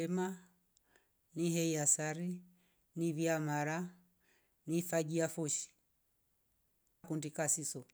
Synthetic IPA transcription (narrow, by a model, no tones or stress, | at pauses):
ɛma | niɦɛiasaɾi | niβiamaɾa | nifaɡiafɔʃi̥ | kundikasisɔ